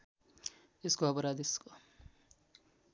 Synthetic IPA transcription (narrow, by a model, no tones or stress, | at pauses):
eskoʌpʌɾad̪esko